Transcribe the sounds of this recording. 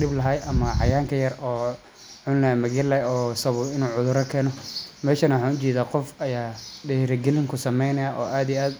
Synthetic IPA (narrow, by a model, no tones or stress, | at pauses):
ɗɪblɐɦɐjʔɐmɐʕɑjaːŋkʰɐjɐrɔː | ʕʊnlɐmɐɣɛlɐɔːsɐβʊɪnuːʕʊðʊɾɐkʰɛːnɔmɛːʃɐnɐwħaːnʊt͡ʃɛːðaːqɔfɐjaːɖɛɾɐɡɛlɪŋkʰʊsɐmɛjnɐjaʔɔːʔaːd̪ijaːd̪